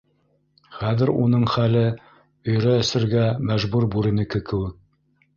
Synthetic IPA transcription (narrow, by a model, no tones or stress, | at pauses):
χæðɘɾunɤɴχælɘ | ɵ̆jɾæːsɘ̆ɾɡæmæʒbuɾbʉɾɘ̆nɘ̆kɘkɘ̆wɘk̚